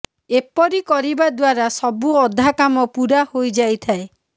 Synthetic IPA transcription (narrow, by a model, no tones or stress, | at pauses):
epɔɾikɔɾibad̪waɾasɔbuɔd̪ʱakamɔpuɾahojd͡ʒajt̪ʰae